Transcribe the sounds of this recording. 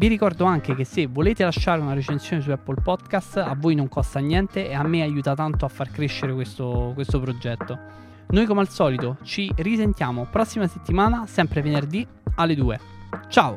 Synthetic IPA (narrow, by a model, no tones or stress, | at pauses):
viɾikɔrd̪oaŋk̟ek̟esːevoleːt̪elaʃːaːɾeunaɾet͡ʃentsjoːnes̬uɛpːolpɔd̪kast̪avːojnoŋkɔst̪anjɛnt̪eeamːeajuːt̪at̪ant̪oafːarkɾeʃːeɾekwest̪okwest̪opɾod͡ʒɛt̪ːo | nojkomealsɔːlit̪ot͡ʃirisent̪jaːmopɾɔsːimaset̪ːimaːnasɛmpɾevenerd̪i | alːed̪uːḛ | t͡ʃaːo